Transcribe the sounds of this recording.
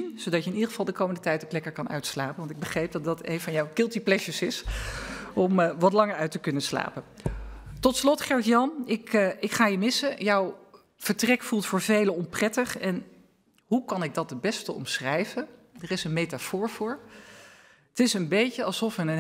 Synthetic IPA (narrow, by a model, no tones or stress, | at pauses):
nzowdɑcəɪnidəχəv̥ɑlˠdəkowməndətɛjtoklɛkəɹkɑnœ̰ɥtslaːpənʋɑntɪɡ̚bəχrejp̚dɑtdɑtḛjnvɑnjɔwkɪlˠtiplɛʃəsɪs | ɔmʋɑtlɑŋəɹœɥtəkɵnəsla̰ːpə | tɔtslɔtχɛɹtjɑnɪkɪkχaːjəmɪsəjɔw | v̥əɹtrɛkfulˠtfʊːɹvejləɔmprɛtəχɛn | ɦukɑnɪɡ̚dɑt̚dəbɛstəɔ̰msχrɛjvə | dərɪsənmejtafʊːɹv̥ʊːɹ | ətɪsənbejcəɑlˠsɔfənən